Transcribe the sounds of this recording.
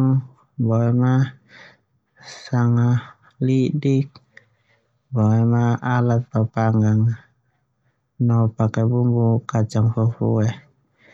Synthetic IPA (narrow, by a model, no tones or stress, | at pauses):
bɔɛma | saŋa | lidik̚ | bɔɛmaalat̪̚papaŋɡaŋ | nɔpakɛbuŋɡukat͡ʃaŋfufuɛh